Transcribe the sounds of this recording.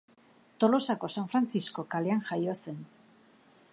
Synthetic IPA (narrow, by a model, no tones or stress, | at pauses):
t̪olosako̞saɱfɾanθiskokaljaŋxajoasen